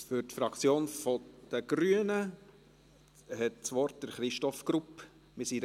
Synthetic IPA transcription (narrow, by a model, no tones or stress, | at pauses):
fʏɾtfɾɑkt͡sjoːnfɔd̥əɡ̥ɾyənə | hɛt̚t͡sʋɔɾt̚d̥əɾχɾɪʃtɔfɡ̥ɾup | mɪsi